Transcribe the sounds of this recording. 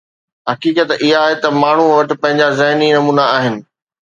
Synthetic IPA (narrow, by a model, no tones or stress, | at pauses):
ɦɐkiːkət̪ɪɦaːɦet̪ɐmaːɳ̤uʋɐʈɪ̆pɐ̃ɦɪ̃ɲd͡ʑazɐɦninɐmuːnaaːɦɪnɪ̆